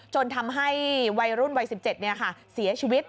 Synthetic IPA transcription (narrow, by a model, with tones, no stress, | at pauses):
t͡ɕo˧nt̪ʰa˧mɦa˥˩jwa˧jɾu˥˩nwa˧jsi˨˩p̚t͡ɕe˨˩t̪̚ni˥˩ɐkʰa˥˩si˩˦ɐt͡ɕʰiː˧wi˦˥t̪̚